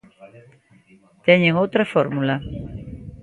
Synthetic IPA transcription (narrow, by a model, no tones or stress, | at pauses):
t̪eɲeŋowt̪ɾafoɾmula